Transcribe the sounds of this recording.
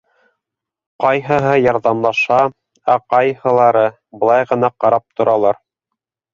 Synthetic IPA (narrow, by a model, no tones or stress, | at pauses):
qɑjɦɤ̆ɦɤjɑɾðɑmlˠɑʃɑ | æqɑjhɤ̆lˠɑɾɤ | bɤ̆lˠɑjʁɤ̆nɑqɑɾɑp̚t̪ŏɾɑlˠɑɾ